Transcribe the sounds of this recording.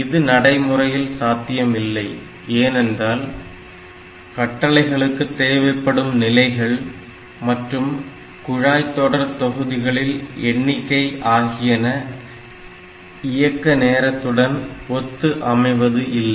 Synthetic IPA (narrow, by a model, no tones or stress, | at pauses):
ɪðɯnɐɽɐɪmɯrɐjɪlsaːt̪ɪjɐmɪlːɐɪ | eːnɛndraːl | kɐʈːɐlɐɪɣɐɭɯkːɯt̪ːeːʋɐɪpːɐɽɯmnɪlɐɪɣɐɭ | mɐʈrɯm | kʊɻaːjt̪ːoːɽɐɾt̪ɔɣɯðɪɣɐɭɪlɛɳːɪkːɐɪʔaːɣɪjɐnɐ | ɪjɐkːɐneːɾɐt̪ːɯɽɐnɔt̪ːɯʔɐmɐɪʋɐðɯʔɪlːɐ